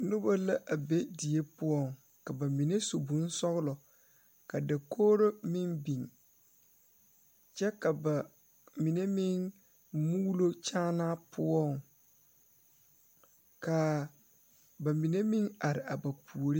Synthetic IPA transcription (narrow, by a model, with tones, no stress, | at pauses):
nʊ˦ba˦la˦ʔa˨be˦di˨e˦pʊ˦ɔ˦˨ŋ | ka˨ba˨mi˨ne˦so˨bu˨˦n˦sɔ˦ɣʊ˦lɔ˨ | ka˨da˨kʰoː˦ɾo˦mɪ˦nbi˨ŋ | t͡ʃɛ˦ka˨ba˨ | mi˨ne˦mɪ˦ŋ | mu˦lo˦t͡ʃaː˦na˦pʰʊ˦ɔ˦˨ŋ | ka˨ | ba˨mi˨ne˦mi˦ŋa˨ɾɪ˨a˨ba˨pʰu˨o˨ɾi˦